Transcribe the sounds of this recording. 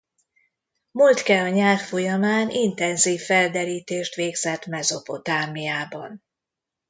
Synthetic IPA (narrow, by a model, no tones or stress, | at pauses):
mult̪kɛlɒɲaːrfo̞jɒmaːnint̪ɛnziːfːɛld̪ɛɾiːt̪eːʃt̪ʋeːɡz̥ɛt̪mɛzo̞po̞t̪aːmijaːbɒ̰n